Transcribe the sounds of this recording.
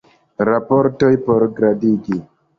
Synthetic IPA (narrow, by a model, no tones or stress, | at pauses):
ɾapɔɾtɔjpɔɾɡɾadiɡi